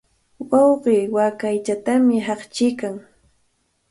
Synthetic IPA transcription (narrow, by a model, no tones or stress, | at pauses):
wɑwɢiːwakajt͡ʃat̪amɪɦɑχt͡ʃɪkaŋ